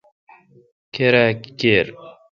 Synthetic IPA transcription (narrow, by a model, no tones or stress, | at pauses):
keɾakikeːɾ